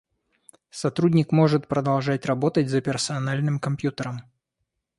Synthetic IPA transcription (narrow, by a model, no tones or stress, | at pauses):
sɐt̪ɾudʲnʲɪkmo̞ʐɨt̪̚pɾəd̪ɐlˠʐat̚ʲrɐbo̞t̪ət̚ʲzəpʲɪrsɐɐnalʲnɨmkɐmpʲjut̪əɾəm